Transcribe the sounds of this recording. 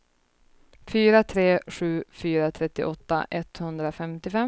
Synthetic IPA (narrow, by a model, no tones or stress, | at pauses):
fyːɾat̪ʰɾeːɧʉ̟ːfyːɾat̪ʰɾɛt̪ːɪ̰ʔɔt̪ːa̰ʔɛt̪hɵnd̪ɾafɛmt̪ɪfɛ